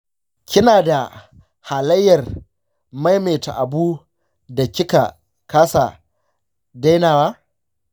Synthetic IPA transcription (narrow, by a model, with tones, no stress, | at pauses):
kʲɪ˦naː˨da˨ | ha˨lɐ˦jːɐ˨r | ma˦jmeː˨ta̰˨ʔa˨buː˦ | da˨kʲɪ˦ka̰˨ | kaː˦sa̰˨ | da˦jnaː˨waː˦